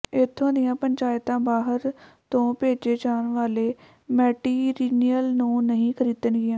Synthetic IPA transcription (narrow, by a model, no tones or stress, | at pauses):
ɪt̪ʰːõːd̪ɪjãːpəɲt͡ʃaːjt̪ãːbaːɦəɾt̪õːpeːd͡ʒeːd͡ʒaːnʋaːleː | mɛːʈiːɾiːnijəlnũːnəɦĩːkʰəɾiːd̪ənɡɪjãː